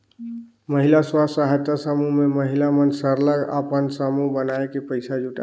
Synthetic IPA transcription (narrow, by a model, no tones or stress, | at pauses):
məɦilaswasaɦət̪asəmumeməɦilamənsəɾləɡə̰pənsəmubənaekepəɪsad͡ʒuʈa̰